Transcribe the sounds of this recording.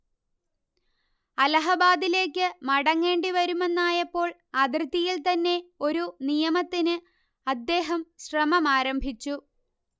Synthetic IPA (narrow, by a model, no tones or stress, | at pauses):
ɐlɐɦɐbaːd̪ile̞ːkʲːɨmɐɽɐŋːe̞ːɳɖiʋɐɾume̞nːaːjɐpːo̞ːɭ | ɐd̪rɨt̪ːijilt̪ɐnːe̞o̞ɾunijɐmɐt̪ːinɨ | ɐd̪ːe̞ːɦɐmɕrɐmɐmaːɾɐmbʱit͡ɕːu